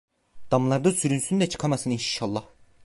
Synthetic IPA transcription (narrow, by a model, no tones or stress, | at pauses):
d̪̥amlˠaɾd̪ɯsyɾynsynyd̪ɛt͡ʃʰɯ̥kʰamasɯninʃalˠːɑh